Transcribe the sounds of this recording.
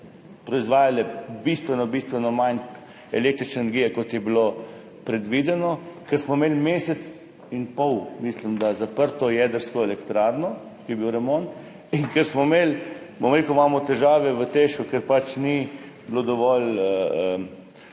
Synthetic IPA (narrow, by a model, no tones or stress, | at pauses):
pɾɔizʋaːjalɛbist̪ʋɛnɔbist̪ʋɛnɔman | ɛleːkt̪ɾit͡ʃnenɛɾɡijɛkot̪jɛbilo | pɾɛd̪ʋid̪ɛnɔkɛɾsmɔmeːlmeːsɛt̪s | inpɔwmislimd̪azapəɾt̪ɔjɛd̪əɾskɔelɛkt̪ɾaːɾnɔ | kijɛbiwɾɛmont̪ | iŋkɛɾsmɔmeːl | bomɾeːkumaːmɔt̪ɛʒaːʋɛʋət̪eʃkukɛɾpat͡ʃni | blod̪ɔʋɔləə